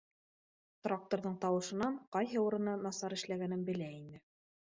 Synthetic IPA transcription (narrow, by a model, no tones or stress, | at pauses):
t̪rak̚t̪oɾðɤɴt̪ɑwɤ̆ʃɤ̆nɑɴqɑjɦɤuɾɤ̆nɤnɑsɑɾɘ̆ʃlæɡænɘnbɘ̆læinɘ